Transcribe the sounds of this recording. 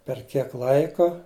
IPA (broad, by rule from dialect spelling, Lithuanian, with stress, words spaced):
pʲɛr ˈkʲiɛk ˈlˠɐɪkoː